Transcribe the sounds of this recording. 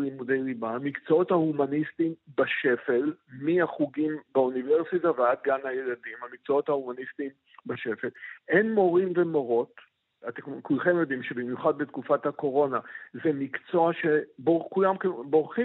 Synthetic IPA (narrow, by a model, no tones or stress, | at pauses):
limudejʁibaːmikt͡soo̞thahumanistimbaʃe̞fe̞lmiaχuɡimbauniveʁsitavead̪̚ɡanhajeladimhamik̚t͡soo̞thahumanistim | baʃe̞fe̞lenmo̞ʁimvemo̞ʁo̞t | at̪ekulχemjo̞d̪imʃebimjuχad̪̚betkufathako̞ʁo̞nazemikt͡so̞aʃebokujamkebo̞ʁχi